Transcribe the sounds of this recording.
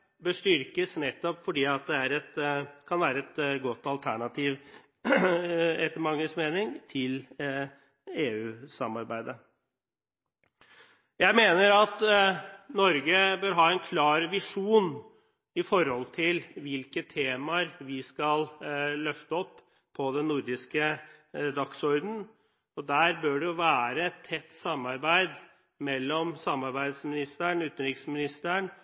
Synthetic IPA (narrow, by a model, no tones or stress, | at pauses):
bəʂʈʏɾkəsnɛt̪ːɔpfɔɖiːɑt̪̚d̪ɛæɾɛt̪kʰɑnʋæːɾəɛt̪ɡɔt̪ːɑlt̪ʰæɳɑt̪ʰiːʋ | ɛt̪əmɑŋːəsmeːnɪŋt̪ʰɪl | eːʉːsɑmːɑɾbæɪd̪ə | jæɪmeːnəɾɑt̪ | nɔɾɡəbøːɾɦɑːɛnkʰlɑːɾʋɪʂuːn | ɪfɔɾhɔlt̪ʰɪlʋɪlkət̪ʰeːmɑɾʋɪskɑllœft̪əɔpːʰ | ɔd̪ɛnːʊɾd̪ɪskəd̪ɑksɔɾd̪n̩ | ɔd̪æːɾbøːɖɛjʊʋæːɾəɛt̪ʰːɛt̪ːsɑmːɑɾbæɪd̪ | mɛlːɔmsɑmːɑɾbæɪd̪smɪnɪst̪əɳʉːt̪ən̩ɾɪksmɪnɪst̪əɳ